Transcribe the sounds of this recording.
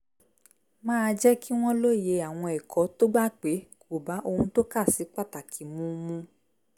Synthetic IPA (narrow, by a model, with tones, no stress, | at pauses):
mãː˦˧d͡ʒɛ˦kʰi˦w̃ɔ̃˦lo˦˨je˧a˨w̃ɔ̃˧ɛ˨kʰɔ˨˦to˦ɡ͡ba˦k͡pe˨˦kʰo˨ba˨˦ʔo˧hũ˧to˦ka˦˨si˨˦k͡pa˦˨ta˨kʰi˨mũ˨˦mũ˧˦